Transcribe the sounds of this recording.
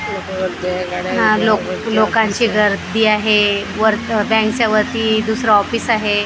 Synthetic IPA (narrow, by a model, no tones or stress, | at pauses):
ɦãloklokãɲt͡ɕiːɡʱəɾd̪iːaɦeʋəɾt̪bɛ̃ŋksaʋəɾt̪iːd̪usɾaɔfiːsaɦe